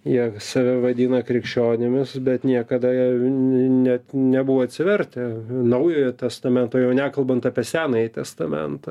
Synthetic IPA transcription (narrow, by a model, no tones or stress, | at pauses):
jiɛsɐʋʲɛʋɐd̪ʲiːnɐkɾʲɪkʃʲt͡ʃʲoːnʲɪmʲɪsbʲɛt̪nʲiɛkɐd̪ɐi | nʲɛt̪nʲɛbuʋoɐt̪ʲsʲɪʋʲɛrʲt̪ʲɛnɐʊjoːjɛt̪ʲɛst̪ɐmʲɛnt̪oːjɛʊnʲækɐlˠbɐnt̪ɑpʲiɛsʲæːnɐjɪt̪ʲɛst̪ɐmʲɛ̰nt̪ɐ